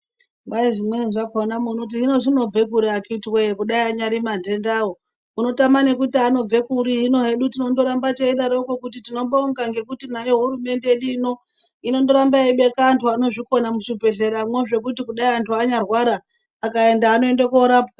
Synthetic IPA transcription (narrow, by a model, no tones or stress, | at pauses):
baiʐimweinʐakaonamunot̬iino̞ʐino̞b͡ve̞kuɾiakiitwekuɗaiaɲaɾimande̞ndawo̞ | muno̞tamane̞kutiano̞b͡ve̞kuɾiːno̞ɦe̞ɗutino̞ndo̞ɾambat͡ʃeiɗaɾokokutitino̞ɓauŋɡaŋɡe̞kutinajo̞ɦuɾume̞nde̞jeɗuino̞ | ino̞ndo̞ɾambaiɓe̞kaːntʰuano̞ʐiko̞namuʃipe̞ɮe̞ɾamwe̞ʐe̞k̬utikuɗaiantuaɲarwaɾaː | kae̞ndaːno̞e̞ndekoɾaːp̚a